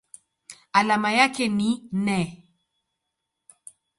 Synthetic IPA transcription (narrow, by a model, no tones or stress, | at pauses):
alamajakɛninɛ